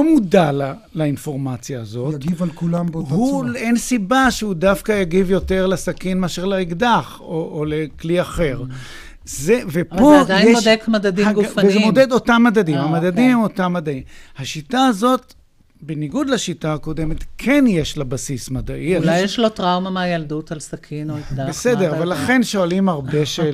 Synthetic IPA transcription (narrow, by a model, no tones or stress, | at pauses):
omudala | lainfo̞ʁmat͡sjaːzo̞ttɡivalkulambhuensibaʃeudafkajaɡivjo̞te̞ʁlasakinmeaʃeʁlaiɡdaχ | oʔolekliaχe̞ʁ | zevepodjjemod̪ekmad̪ad̪iɡufvezemod̪ed̪otamːadadimhamad̪adimemo̞tamːadaimhaʃitaːzo̞t | beniɡud̪laʃitaːko̞de̞me̞tkʰe̞njeʃlabasismadaʔialajjeʃlotʁawmameajaldutalsakʰinoikdabesedeʁavalːaχe̞nʃo̞alimaʁbeʃe